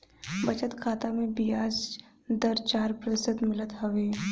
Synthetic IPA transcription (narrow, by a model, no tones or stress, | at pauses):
bɐt͡ʃət̪kʰaːt̪amẽbɪjaːs | d̪əɾt͡ʃaːɾpɾɪsɪd̪mɪlət̪ɦɐʋeː